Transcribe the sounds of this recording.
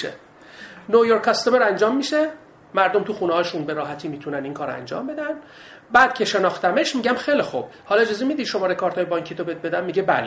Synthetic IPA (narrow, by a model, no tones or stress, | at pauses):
ʃḛ | nojoɾkʰɑst̪omeɾænd͡ʒɒːmːiʃe | mæɾd̪o̞mt̪ʰuxuːnehɒːʃunbeɾɒːɦæt̪ʰiːmiːt̪ʰunæniŋkʰɒːɾæ̰nd͡ʒɒ̰ːmbe̞d̪æn | bæːd̪̥kcʰe̞ʃe̞nɒːxt̪æmeʃmiːɟæmxejlixub̥ | hɒlɒed͡ʒɒːzemid̪iʃo̞mɒːɾekʰɒːɾt̪ʰɒːjebɒŋcʰiːt̪obebe̞d̪æmmiːɟebæ̰le